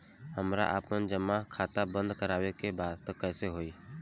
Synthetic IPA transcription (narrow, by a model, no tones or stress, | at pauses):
həmɾa̰ʔaːpənd͡ʒəmːakʰaːt̪abə̃nd̪kəɾaːwekebaːd̪t̪əkɛːseɦoːiː